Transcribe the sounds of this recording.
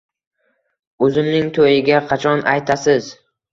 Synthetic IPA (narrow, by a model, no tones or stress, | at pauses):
ɵzɪmnɪŋt̪ʰojɪɡʲaqʰɑt͡ʃʰɒnʔajt̪ʰasɪz